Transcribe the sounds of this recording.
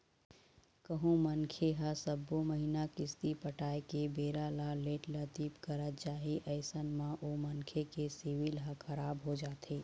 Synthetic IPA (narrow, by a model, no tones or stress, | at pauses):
kəɦõmənkʰeɦasəbːoməɦinakɪst̪ipəʈaːekebeːɾalaleːʈlət̪iːpkəɾət̪t͡ʃaːɦiʔɐɪsənmãʔomənkʰekesiʋɪlɦakʰɐɾaːbɦod͡ʒaːt̪ʰeː